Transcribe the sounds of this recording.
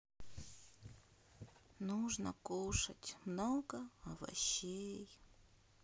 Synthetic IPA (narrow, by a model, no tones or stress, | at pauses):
nuʐnə̰kuʂɐtʲmnoɡəɐvɐ̰ɕej